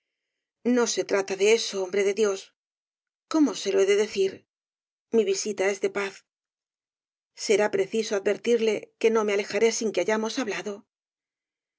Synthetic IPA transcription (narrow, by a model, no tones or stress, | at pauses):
no̞se̞t̪ɾat̪aðee̞soombɾe̞ðe̞ðjo̞s | ko̞mo̞se̞loeðe̞ðe̞θiɾ | miβisit̪ae̞zðe̞paθ | se̞ɾapɾe̞θisoaðbe̞ɾt̪iɾle̞ke̞no̞me̞ale̞xaɾesiŋkeaʝamo̞saβlaðo̞